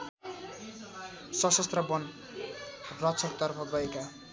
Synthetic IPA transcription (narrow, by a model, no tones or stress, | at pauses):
sʌsʌst̪rʌbʌn | rʌt͡sʰʌkt̪ʌrpʰʌɡʌeka